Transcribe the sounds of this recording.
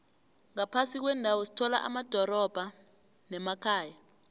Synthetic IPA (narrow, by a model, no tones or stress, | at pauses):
ŋapʰasik̬wɛndʱawosi̥tʰɔla̰ʔa̰mad̥ʱɔɾɔb̥ʱa | nɛmakʰaːja